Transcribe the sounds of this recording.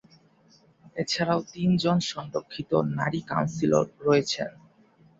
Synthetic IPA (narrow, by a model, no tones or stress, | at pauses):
et͡ɕʰaɾaot̪ind͡ʑonʃɔŋɾokʰːit̪o̰naɾika̰wnsilo̰ɾːɔet͡ɕʰḛn